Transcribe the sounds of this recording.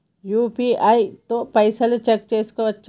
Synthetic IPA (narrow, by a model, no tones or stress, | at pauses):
juːpiːaːit̪opɐɪsəlt͡ʃɐkt͡ʃeːskoɐtːʃ